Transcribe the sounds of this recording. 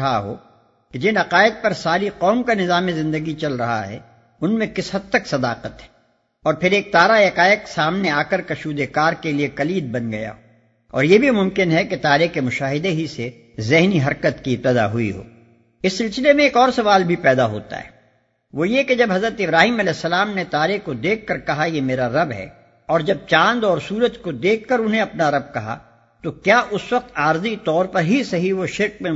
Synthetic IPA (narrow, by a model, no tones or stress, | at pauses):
ɐɦa̰ɦo̰ː | ked͡ʒɪnɐqaːɪd̪̚pɐɾsaːɾiqɔːmkanɪzaːmizɪ̃nd̪əɡit͡ʃɐlɾɐɦa̰ɦɛ̰ | ʊnmẽkɪsɦɐd̪̚t̪ːəksɐd̪aːqət̪ɦɛ | ɔːɾpʰɪɾeːk̚t̪aːɾajɐkaːjəksaːmneaːkəɾkɐʃuːd̪ekaːɾkeliekɐliːd̪̚bɐnɡɐja̰ɦoː | ɔ̰ːɾjebʱimʊ̃mkɪnɦɛket̪aːɾekemʊʃaːɦɪd̪eɦise | zɪɦniɦɐɾkət̪kiɪp̚t̪əd̪a̰ɦʊḭɦo̰ː | ɪsːɪlsɪlemẽːkɔːɾsɐʋaːlbʱipɛːd̪aɦo̰ːt̪a̰ɦɛ̰ː | ʋoːjeked͡ʒɐbɦɐzɾət̪ɪbɾaːɦiːmɐlɛːsːɐlaːmnet̪aːɾekod̪eːkʰːɐɾkɐɦajemeːɾaɾɐbɦɛ̰ː | ɔːɾd͡ʒɐb̚t͡ʃãːnd̪ɔːɾsuːɾət̪kod̪eːkʰːɐɾʊnɦẽɐpnaɾɐb̚kɐɦa̰ | t̪okjaːʔʊswɐq̚t̪aːɾzit̪ɔːɾpɐɾɦisɐɦiʋoʃɪɾk̚mẽ